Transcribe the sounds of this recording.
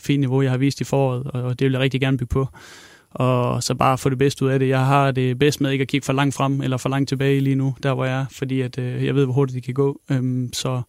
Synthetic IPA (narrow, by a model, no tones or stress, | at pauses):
fḭːnːniʋo̝jɑ̈ɪhɑ̈ʋḭːsd̥ifɒːɒ̰ð̩ˠɒ̽d̥eʋeljäʁeɡ̚diɡ̥æɐnb̥yɡ̥̚pʰɒ̽ | ʔɒ̽sɒ̽b̥ɑ̈ːæfɔ̰ːɾeb̥esd̥əuðˠæɾe̝jɑ̈ɪɦɑ̈d̥e̝b̥esd̥meðˠeɡ̥ækʰiɡ̥fɒ̽lɑ̈ŋ̰d̥fʁɑm̰elɐfɒlɑ̈ŋ̰d̥̚t͡sʰe̝b̥ɛːɪiliːnud̥æɐɑ̈jɑ̈ɪfɒ̽d̥ḭːæd̥jɑaɪʋe̝̰ʋɒɦo̝ɐd̥idd̥ikʰæɡ̥ɔ̰̽ːømsɒ̽